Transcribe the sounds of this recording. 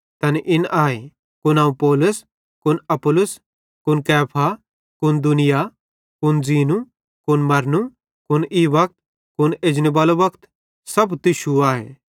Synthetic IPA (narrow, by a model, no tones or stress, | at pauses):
t̪ɐnʔɪnʔaːe | kʊnãːũpɔːlʊs | kʊnɐpʊlʊs | kʊnkɛːpʰa | kʊnd̪ʊnɪja | kʊnziːnu | kʊnmɐɾnu | kʊniʋɐk̚t̪̚ | kʊneːd͡ʒnebaːlobɐkt̪ | sɐbt̪ɪʃuaːɦḛ